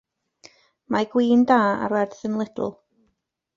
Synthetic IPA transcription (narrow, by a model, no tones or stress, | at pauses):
maɡwiːndaːa̰ɾwɛrdθənlˠɪd̰l̩ˠ